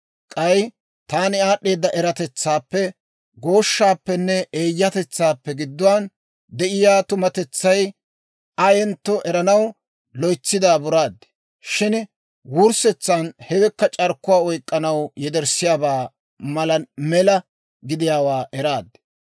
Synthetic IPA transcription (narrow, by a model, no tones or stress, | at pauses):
kʼɐj | t̪aːnɪaːɗːe̞ːd̪ːɐʔɛɾɐt̪ɛt͡sːaːpːɛ | ɡo̞ːʃːaːpːɛnːɛʔeːjːɐt̪ɛt͡sːaːpːɛɡɪd̪ːʊwaːn | d̪ɛʔɪjaːt̪ʊmɐt̪ɛt͡sːɐj | ɐjɛnt̪ːɔʔɛɾɐnɐw | lɔjt͡sːɪd̪aːbʊɾaːd̪ːɛ̥ | ʃɪn | wʊɾsɛt͡sːanhɛwɛkːɐt͡ʃʼɐɾkːʊwaːɔjkʼːɐnɐwjɛd̪ɛɾsɪjaːbaː | mɐlɐmɛlɐ | ɡɪd̪ɪjaːwaːʔɛɾaːd̪ːɛ̥